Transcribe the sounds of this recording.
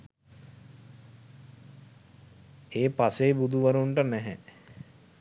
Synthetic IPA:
eːpaseːbud̪uʋəɾuɳʈənɛɦɛ

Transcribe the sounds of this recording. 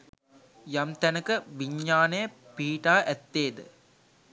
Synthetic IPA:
jɐmt̪ɛnɐkːɨʋiɲːaːneː | piːʈaːʔɛt̪ːeːd̪ɨ

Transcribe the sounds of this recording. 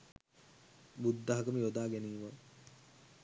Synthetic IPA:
bud̪ːɐɦakəməjod̪aːɡæniːʋə

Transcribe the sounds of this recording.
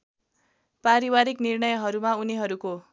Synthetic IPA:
paɾiwaɾiknirnʌjɦʌɾumauniɦʌɾuko

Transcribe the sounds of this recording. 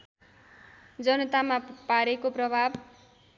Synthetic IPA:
d͡zʌnʌt̪amapaɾekoprʌbʱab

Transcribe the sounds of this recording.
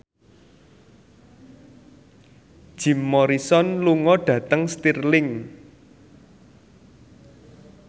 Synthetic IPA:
d̥ʒ̥i̤mːɔɾisɔnluŋɔɖ̥ä̤t̪əŋst̪irlɪŋ

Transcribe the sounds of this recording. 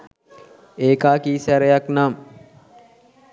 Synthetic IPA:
eːkaːkiːsæɾejaknam

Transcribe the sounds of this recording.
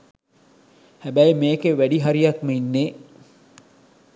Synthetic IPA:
hæbæjemeːkeʋæɖiɦaɾijɐkməinːeː

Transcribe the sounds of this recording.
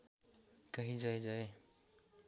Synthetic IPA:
kəɦĩd͡ʒaːed͡ʒae

